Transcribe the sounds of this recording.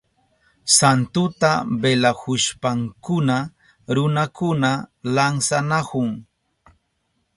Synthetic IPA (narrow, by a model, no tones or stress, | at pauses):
sant̪ʊt̪abelahʊʃpaŋkʊna | ɾʊnakʊnalansanakʊŋ